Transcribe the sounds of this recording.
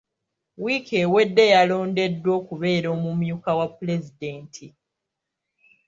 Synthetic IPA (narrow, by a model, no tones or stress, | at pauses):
wikewe̞dːe̞jalo̞ːnde̞dːwo̞ːkuβe̞ːɾo̞ːmumjuːkawapːule̞zide̞ːntʰi